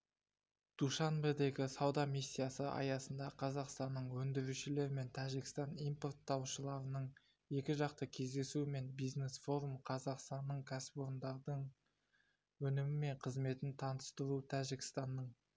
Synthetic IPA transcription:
d̪̥uʃɑnbed̪e̞ɡʲɪsɑwd̪ɑmisʲːijasəʔɑ̰jɑsənd̪ɑqʰɑzɑqst̪ɑnːəɴwɵnd̪ɪɾuʃɪle̞ɾme̞nt̪ʰæʒɪkʲɪst̪ɑnimpo̞rt̪ːɑwʃəlˠɑɾənəɴ | je̞kʲɪʒɑq̚t̪əkʲʰe̞zd̪e̞sume̞nbijzne̞sfo̞ɾumqʰɑzɑqst̪ɑnːəɴkʲʰæsɪ̥poɾənd̪ɑɾd̪əɴ | wɵnɪmɪme̞ɴqʰəzme̞t̪ɪnt̪ʰɑnəst̪əɾut̪ʰæʒɪkʲɪ̥st̪ɑnːəɴ

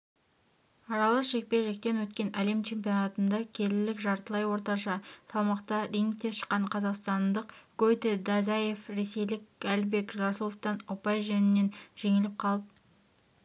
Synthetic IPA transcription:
ɑɾɑlˠəʃe̞k̚pe̞ʒe̞k̚t̪e̞nwɵt̪kʲe̞nʔæle̞mt͡ʃʰe̞mpio̞nɑt̪ənd̪ɑkʲʰe̞lɪlɪkʒɑɾt̪əlˠɑjwo̞ɾt̪ɑʃɑsɑlˠmɑqt̪ɑɾiŋk̚t̪e̞ʃə̥qːɑɴqʰɑzɑqst̪ɑnd̪əqɡ̥ojt̪ed̪ɑzɑje̞fɾe̞se̞jlɪkʲælbe̞kʒʒɑsəlˠoft̪ɑnopɑjʒænɪnːe̞nʒ̥e̞ŋɪlɪp̚qʰɑlˠəp̚

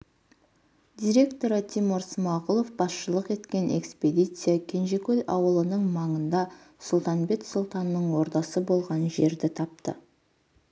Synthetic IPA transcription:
d̪ʲijɾʲe̞kt̪o̞ɾət̪ʰimoɾsmɑʁulˠo̞fbɑsʃəlˠəqe̞t̪kʲe̞nʔe̞̰kspʲe̞d̪ʲijt̪sɨjakʲʰe̞nʒe̞kʲɵlʲɑwəlˠənəɴmɑɴənd̪ɑ | sʊlˠt̪ɑnbe̞t̪sʊlˠt̪ɑnːəɴwo̞ɾt̪ɑsəbo̞lˠʁɑnʒe̞ɾd̪ɪt̪ʰɑp̚t̪ə̰

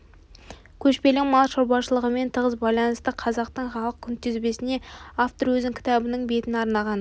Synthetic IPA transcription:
kʲʰɵʃpe̞lɪŋmɑlˠʃoɾbɑʃəlˠəʁəme̞nt̪ʰəʁəzbɑjlˠɑnəst̪əqʰɑzɑq̚t̪əɴχɑlˠəq̚kʲʰʏnt̪ʏzbe̞sɪne̞aft̪oɾwɵzɪŋkʲʰɪ̥t̪ɑbɪnɪɴbe̞t̪ɪnɑɾnɑʁɑn

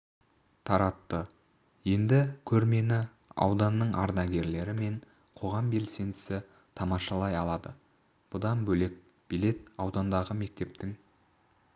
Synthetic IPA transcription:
t̪ʰɑɾɑt̪ːə | je̞nd̪ɪkʲʰɵɾme̞nɪ | ɑ̰wd̪ɑnːəɴʔɑ̰ɾnɑɡʲe̞ɾle̞ɾɪme̞ɴ | qʰo̞ʁɑmbe̞lse̞nd̪ɪ̥sɪ | t̪ʰɑmɑʃɑlˠɑjɑlˠɑd̪ə | b̥ʊd̪ɑnbɵle̞k̚ | b̥ile̞t̪ɑwd̪ɑnd̪ɑʁəme̞k̚t̪e̞p̚t̪ɪŋ

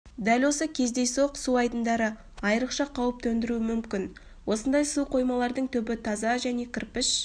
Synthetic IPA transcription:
d̪ælʲwo̞səkʲʰe̞zd̪e̞jsoqsuɑjd̪ənd̪ɑɾə | ɑjəɾəqʃɑqʰɑwəp̚t̪ʰɵnd̪ɪɾuɪmʏmkʲɪn | wʔo̞sənd̪ɑjsuqʰo̞jmɑlˠɑɾd̪əɴt̪ʰɵbɪt̪ʰɑzɑʒæne̞kʲʰɪɾpɪʃ

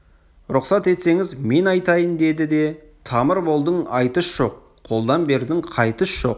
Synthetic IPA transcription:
ɾʊqsɑt̪e̞t̪se̞ŋɪzme̞nɑjt̪ɑjənd̪e̞d̪ɪd̪e̞ | t̪ʰɑməɾbo̞lˠd̪əɴɑjt̪əʃʒ̥o̞q̚ʰo̞lˠd̪ɑnbe̞ɾd̪ɪŋqʰɑjt̪əʃʒ̥o̞̰q̚

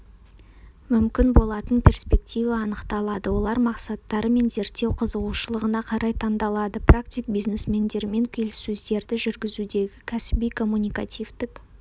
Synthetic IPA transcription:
mʏmkʲɪnbo̞lˠɑt̪ənpʰʲe̞rspe̞k̚t̪ʲijvɑɑnəqt̪ɑlˠɑd̪əwo̞lˠɑɾmɑqsɑt̪ːɑɾəme̞nze̞ɾt̪ːe̞wqʰəzəʁuʃəlˠəʁənɑqʰɑɾʔɑjt̪ʰɑnd̪ɑlˠɑd̪əprakt̪ijk̚bijzne̞smʲe̞nd̪e̞ɾɪme̞ŋkʲʰe̞lɪsɵzd̪e̞ɾd̪ɪʒʏɾɡʲɪzud̪e̞ɡʲɪkʲʰæsɪbijkʰo̞mːunʲijkat̪ʲijvd̪ɪk

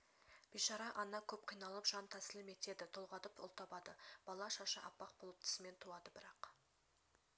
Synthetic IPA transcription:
b̥ijʃɑɾɑʔɑnːɑkʲʰɵp̚qʰijnɑlˠəpʒ̥ɑnt̪ʰæsɪlˠɪme̞t̪e̞d̪ɪt̪ʰo̞lˠʁɑd̪əpʊ̰lˠt̪ɑbɑd̪əb̥ɑlˠɑʃɑʃəʔɑpːɑq̚bolˠəp̚t̪ʰɪ̥sɪme̞nt̪ʰuɑd̪əbɪɾɑq

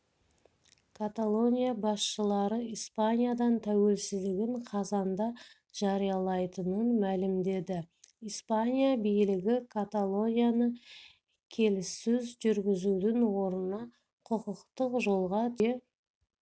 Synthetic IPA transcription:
kʰat̪alˠo̞nʲijabɑsʃəlˠɑɾəijspanʲijad̪ɑnt̪ʰæwe̞lsɪzd̪ɪɡʲɪɴqʰɑzɑnd̪ɑ | ʒ̥ɑɾijɑlˠɑjt̪ənənmælɪmd̪e̞d̪ɪ | ispanʲijabijlɪɡʲɪkʰat̪alˠo̞nʲijanə | kʲʰe̞lɪsːɪzʒʏɾɡʲɪzud̪ɪnwo̞ɾənɑ | qʰʊqəqt̪əqʒo̞lˠʁɑt̪ʰe

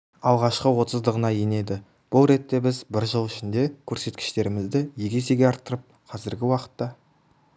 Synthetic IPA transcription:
ɑlˠʁɑʃqəwo̞t̪əzd̪əʁənɑjene̞d̪ɪ | b̥ʊlˠɾe̞t̪ːe̞bɪzbɪɾʒəlˠɪʃɪnd̪e̞kʲʰɵɾse̞t̪kʲɪ̥ʃt̪e̞ɾɪmɪzd̪ɪje̞ɡʲe̞se̞ɡʲeɑɾt̪ːəɾəp̚qʰɑzɪɾɡʲɪwɑqə̥t̪ːɑ

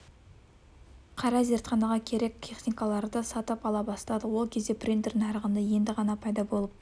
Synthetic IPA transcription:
qʰɑɾɑze̞ɾt̪χɑnɑʁɑkʲʰe̞ɾe̞k̚ʲt̪ʲʰe̞χnikɑlˠɑɾd̪əsɑt̪əpɑlˠɑbɑst̪ˠɑd̪əwo̞lˠkʲʰe̞zd̪e̞prʲint̪eɾnɑɾəʁənd̪əje̞nd̪ɪʁɑnɑpʰɑjd̪ɑbo̞lˠəp̚

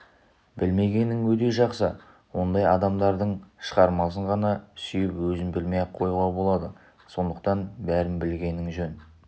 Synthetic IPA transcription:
bɪlme̞ɡʲe̞nɪŋwɵt̪̬e̞ʒɑqsə | wo̞nd̪ɑjɑd̪ɑmd̪ɑɾd̪əɴʃəʁɑɾmɑs̬əɴʁɑnɑsʏjɪpwɵzɪnbɪlmejqʰo̞juʁɑbo̞lˠɑd̪ə | so̞nd̪əqt̪ɑnbæɾɪmbɪlɡʲe̞nɪŋʒɵn

